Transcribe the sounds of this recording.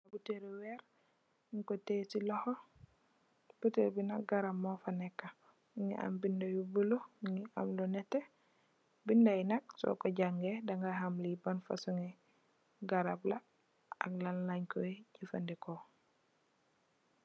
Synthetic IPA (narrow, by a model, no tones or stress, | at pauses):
abuteɾiwɛɾ | ŋkɔtesilɔhɔ | bətelbinaɡaɾamːɔfanɛkːa | ŋḭʔa̰mbindajubuloŋiʔa̰mlɔnɛtːe | bindajnak̚sɔ̰kɔɟaŋɡedaŋɡaɦamlibanfa̰suŋɛ | ɡaɾabla | a̰klanlaɲkɔɟifandikɔ